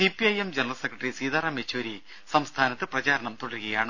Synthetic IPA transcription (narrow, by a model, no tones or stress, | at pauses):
ipiɐjemd͡ʑenɐrɐlsekrɐʈːrisiːðarɐmet͡ɕʰːoːɾi | sɐmst̪ʰaːnɐt̪ːɨprɐt͡ɕaːɾɐɳɐmt̪uɽɐlɣɐjaːɳɨ